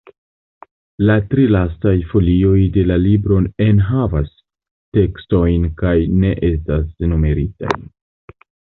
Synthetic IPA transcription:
latɾilastajfo̞lio̞jde̞lalibɾo̞ne̞nɦavas | te̞ksto̞jnkajne̞ʔe̞stasnume̞ɾita̰j

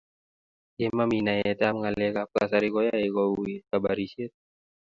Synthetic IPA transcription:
jemaminajet̪amŋalekap̚ka̰saɾikɔjaekɔuikabaɾiset̪̚

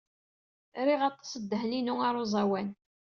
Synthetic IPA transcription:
ɾiʁɑt̪ˤːɑ̥səd̪ːəɦninuaɾˤozˤɑwæn

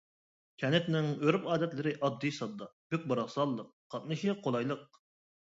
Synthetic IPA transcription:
kʲʰɛnɪt̪nɪŋøɾypɑːd̪ɛt̪lɨɾɪʔɑd̪ːijsɑd̪ːɑb̥yk̚ʲbɑɾɑχsɑlˠːəq̚qʰːɑt̪̚nɨʃiqʰolˠɑjlˠəq̚

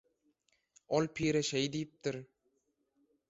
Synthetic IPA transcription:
olpʰiːɾeʃejd̪iːp̚t̪ɪɾ

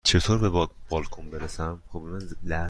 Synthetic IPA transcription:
t͡ʃʰe̞t̪ʰoɾbebb̥ɒlkʰombeɾesæmxoblmænlæ

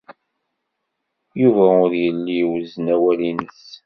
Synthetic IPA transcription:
juvæʊɾjəlːiwznæwælinəs

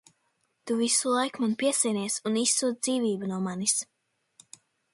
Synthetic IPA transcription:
t̪uvisulˠajkmanpiɛsɛjniɛsunisːuːd̪d̪ziːviːbunuɔmanis

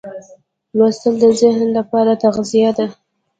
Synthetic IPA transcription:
lwast̪əld̪əzɪhnlapɑɾat̪aɣzijad̪a

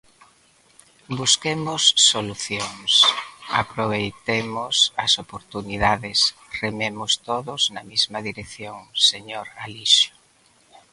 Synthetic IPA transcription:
buskemʊsːoluθjoŋsa̰pɾoβ̞ejt̪emʊsɐsopoɾt̪uniðaðɪsrememʊst̪oðʊznɐmizmɐðiɾekθjoŋseɲoɾaliʃʊ̥

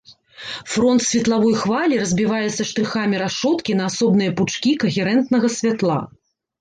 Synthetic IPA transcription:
fɾɔnt̪sʲvʲɛt̪lˠavɔjxvalʲiɾɐzʲbʲivajɛt̪sːɐʂt̪ɾɨxamʲiɾaʂɔt̪kʲinɐːsɔbnɨjɐput͡ʂkʲikɐɣʲɛɾɛnt̪nɐɣɐsʲvʲat̪lˠa̰

